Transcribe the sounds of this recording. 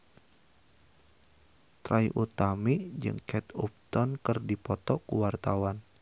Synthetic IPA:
t̪ɾajʔut̪amid͡ʒɨ̰ŋkɛt̪up̚t̪ɔnkɨrdipɔt̪ɔkuwart̪awan

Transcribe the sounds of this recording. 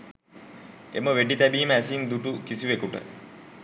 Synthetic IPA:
ḛməʋeɖit̪æbiːməæsind̪uʈukisiʋekuʈə̰

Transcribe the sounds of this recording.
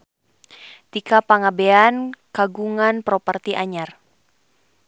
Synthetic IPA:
t̪ikapaŋabeankaɡuŋanpɾɔpərt̪iʔaɲar

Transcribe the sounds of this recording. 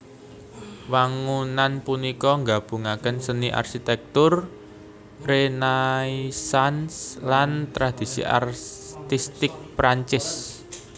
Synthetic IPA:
waŋunanpunikɔŋɡab̥uŋakənsəniʔa̰rkit̪ɛk̚t̪ʊr | renaisanslant̪ɾad̪̥i̤sḭʔa̰rt̪ist̪ɪk̚pɾaɲt͡ʃɪs

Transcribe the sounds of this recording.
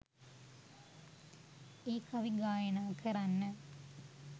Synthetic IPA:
iːkɐʋiɡaːjɐnaːkʰɐɾanːɐ

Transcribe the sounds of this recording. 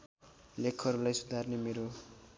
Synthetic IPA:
lekʰʌɾulajsud̪ʱarnemeɾo

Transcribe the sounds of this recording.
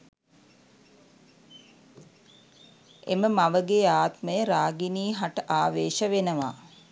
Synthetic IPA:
eməmaʋəɡeːaːt̪məjəɾaːɡiniːɦaʈəʔaːʋeːʃəʋenəʋa̰ː

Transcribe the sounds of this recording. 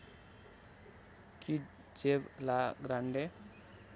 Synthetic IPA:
kʰi | d͡ʒeblaɡɾaɳɖe

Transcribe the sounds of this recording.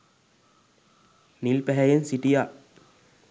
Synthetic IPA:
nilpɛɦɛjensiʈija

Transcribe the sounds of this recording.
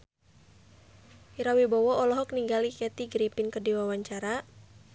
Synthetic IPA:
iɾawibɔwɔɔlɔɦɔk̚niŋɡalikɛt̪iɡɾipinkərdiwawaɲt͡ʃaɾa

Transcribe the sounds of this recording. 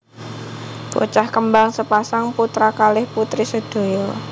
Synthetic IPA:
b̥o̰t͡ʃahkəmbaŋsəpasaŋput̪ɾakalɪhput̪ɾisəd̪̥o̤jɔ

